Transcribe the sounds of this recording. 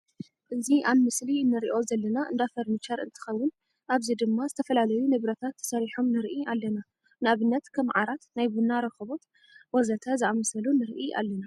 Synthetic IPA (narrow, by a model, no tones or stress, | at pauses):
ʔɨziʔanmɨslinːɨɾiʔo̞zɐlːɐnaʔɨ̰nd̪afɐɾmɨt͡ʃɐɾʔɨ̰nt̪ʰɨ̥xɐwːʊn | ʔaβzid̪ɨmːazɨt̪ʰɐfɐlalɐjunɨβɾɐt̪ʰat̪ːsɐɾiħomnɨɾʔialːɐna | nɨaβɨnːɐt̪kʰɐmʕaɾat̪najbunaɾɐxɨβo̞t̪ | wɔzɐt̪ʰazɨamɐsɐlunɨɾʔiʔa̰lːɐna